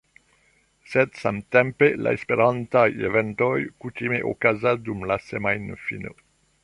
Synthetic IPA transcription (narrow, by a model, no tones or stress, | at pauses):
sedsamt̪empela̰espeɾantajevent̪ojkut̪imeʔo̰kazadumlasemajnfḭno̰